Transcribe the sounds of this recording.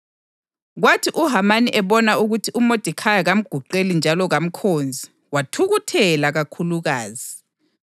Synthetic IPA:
ɣwatʰiʔuɦamaniʔɛβɔnauɣutʰiʔumod̥ʱikʰajaɣam̩ɡ̥ʱuǃelind͡ʒʱalɔɣam̩kʰoːnd͡zʱi | watʰuɣutʰɛlaɣakʰuluɣaːzi

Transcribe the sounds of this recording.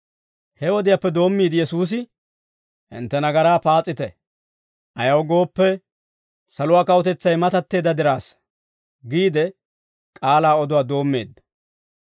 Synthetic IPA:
hɛwɔd̪ɪjapːɛd̪o̞ːmːiːd̪ɪjɛsuːs̬ɪ | ʔɪ̰nt̪ːɛnɐɡɐɾaːpaːt͡sʼːɪt̪ɛ | ʔɐjɐwɡo̞ːpːɛ | sɐlʊwaːkɐwʊt̪ɛt͡sːɐjmɐt̪ɐt̪ːe̞ːd̪ɐd̪ɪɾaːs | ɡiːd̪ɛ | kʼaːlaːɔd̪ʊwaːd̪o̞ːmːe̞̰ːd̪ːɐ̥

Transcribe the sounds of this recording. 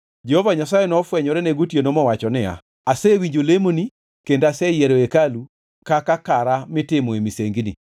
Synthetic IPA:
d͡ʒɛhovaɲasajɛnɔfwɛɲɔɾɛnɛɡotjenomɔwat͡ʃɔnɪa̰ | asɛwiɲd͡ʒolemoni | kendasɛjɛɾoekalu | kakakaɾamɪtɪmɔemiseŋɡinḭ

